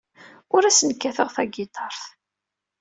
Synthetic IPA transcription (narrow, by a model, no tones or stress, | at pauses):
ʊɾæsənkːæθəʁθæɡit̪ˤɑɾˤθ